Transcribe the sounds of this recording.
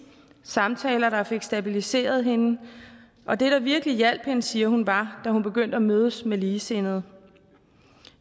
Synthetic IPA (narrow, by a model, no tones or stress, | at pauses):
sɑ̈mt͡sʰɛːlɐɾ̥ɑ̈fe̝ɡ̥sd̥æb̥ilise̝̰ːɐð̞̩ˠhe̝nə | ʔɒ̽d̥e̝ɾ̥ɑ̈ʋiɐɡ̥əlijæl̰b̥he̝nəsiːɐhunʋɑ̈d̥æhunb̥e̝ɡ̥øn̰d̥əæmøð̞ˠəsmeliːse̝nð̩ˠ